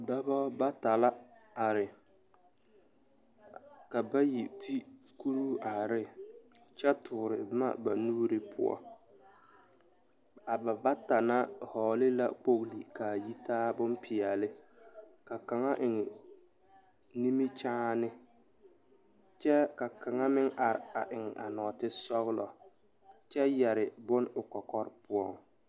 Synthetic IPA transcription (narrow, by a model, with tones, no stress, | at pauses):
da˦ba˦ba˦ta˨la˦a˨ɾɪ˨ | ka˨ba˦ji˨tʰi˦ | ku˦ɾu˦ʔa˨ɾɪ˦ | t͡ʃɛ˦tʰʊː˨ɾɪ˨bma̰˦ba˨nuː˦ɾɪ˦pʰʊ̰˦ɔ̰˦ | a˨ba˨ba˦ta˨na˦hɔː˨lɪ˦la̰˦k͡po˦ɣli˨ka˨ji˦taː˦bʊ˦npʰɪ˨ɛ˨lɪ˦ka˨ka˨ŋa˦ʔɪ˨ŋɪ˨ | ni˦mi˦t͡ʃaː˦nɪ˦ | t͡ʃɛ˦ka˨ka˨ŋa˦mɪ˦ŋʔa˨ɾɪ̰˨a˨ʔɪ˨ŋ˨ʔa̰˨nɔː˨tɪ˦sɔ˦ɣlɔ˨ | t͡ʃɛ˦jɛ˨ɾɪ˨bʊ˦nʊ˨kɔ˨kɔ˦ɾpʊ˦ɔ̰˦˨ŋ